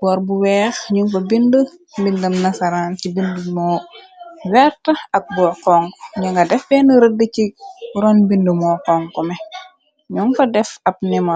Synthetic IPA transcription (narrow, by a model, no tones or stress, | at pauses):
bɔːɾbuwɛːxɲuŋfɐbində | bindɐmnɐsɐɾaːncibindumɔː | wɛrtɐɐk̚bɔːkɔŋkɔɲɐŋɡɐdɛfbɛnəɾədːəciɾɔnbindəmɔːkɔŋkɔmɛ | ɲuŋfɐdɛfɐp̚nimɐ